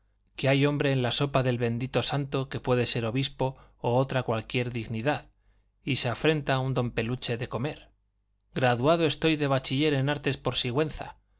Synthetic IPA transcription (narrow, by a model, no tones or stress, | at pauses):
keajo̞mbɾe̞ːnlaso̞paðe̞lβe̞nd̪it̪o̞sant̪o̞ke̞pwe̞ðe̞se̞ɾo̞βispo̞ːot̪ɾakwalkje̞ɾðiɣniðað | ise̞afɾe̞nt̪aund̪o̞mpe̞lut͡ʃe̞ðe̞ko̞me̞ɾ | ɡɾaðuað̞oe̞st̪o̞jðe̞β̞at͡ʃiʎe̞ɾe̞naɾt̪e̞spo̞ɾsiɣwe̞nθa̰